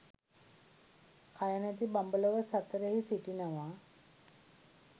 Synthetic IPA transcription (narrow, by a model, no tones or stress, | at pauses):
kʰajanat̪̬ibambələʋəsat̪ːɾəɦisiʈinəʋa